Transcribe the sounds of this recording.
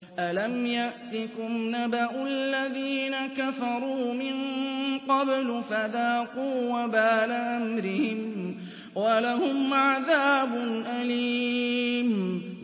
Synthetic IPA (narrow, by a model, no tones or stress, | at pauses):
ʔalamjaʔt̪ɪkʊmnabaʔʊalːaðiːnakafɑɾˤuːmɪnqɑblʊfaðaːqʊwːabaːlaʔamɾɪhɪm | walaɦʊmʕaðaːbʊnʔaliːm